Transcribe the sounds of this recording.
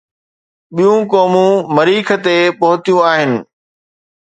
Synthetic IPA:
ɓijũkɔːmũmɐɾiːkʰə̆t̪epɐɦʊt̪ijũaːɦɪnɪ̆

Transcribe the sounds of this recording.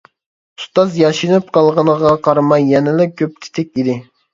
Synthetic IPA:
ust̪ɑzjɑʃinɨp̚qʰɑlˠʁɑnəʁɑqʰɑɾmɑjːɛnɪlɪkʲʰøp̚t͡ʃ̪ʰɪ̥t̪ʰɛk̚ʲid̪ɪ

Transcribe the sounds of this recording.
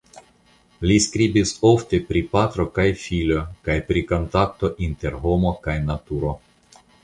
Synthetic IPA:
liskɾibiso̞ft̪e̞pɾipat̪ɾokajfilokajpɾiko̞nt̪akt̪o̞ʔint̪e̞ɾɦo̞mo̞kajnat̪uɾo

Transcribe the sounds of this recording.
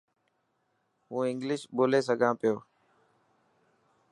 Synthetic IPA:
ɦũːɪ̃ŋɡlɪʃɓoːleːs̬əɡʱãːpɪjoː

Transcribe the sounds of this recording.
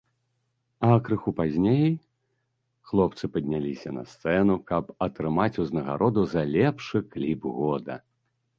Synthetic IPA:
ɐkɾɨxupazʲnʲej | xlˠɔpt̪sɨpɐd̪ʲnʲalʲisʲɐnɐ̰st̪sɛnukɐpɐt̪ɾɨmat͡sʲuznɐɣa̰ɾɔd̪uzɐlʲɛpʂɨklʲibɣɔd̪ɐ̰

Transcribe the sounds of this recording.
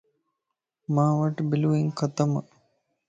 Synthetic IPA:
maːʋɐʈbiluiŋkʰɐt̪ɐmɐ̰

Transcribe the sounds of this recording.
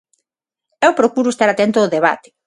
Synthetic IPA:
ɛwpɾokuɾʊest̪aɾat̪ɛnt̪ooðeβ̞a̰t̪e̥

